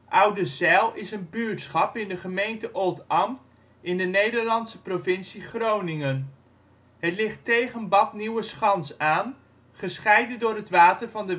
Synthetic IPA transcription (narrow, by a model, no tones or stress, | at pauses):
ʔʌwdəzɛlˠɪsənbyːɹtsχɑpɪndəχəmejntəʔoːlˠtɑmt | ɪndənejdəɹlɑnsəprovɪnsiχrownɪŋən | ɦətlɪχtejχənbɑtniwəsχɑnsaːn | χəsχɛjdəndʊːɾɦətʋaːtərvɑndə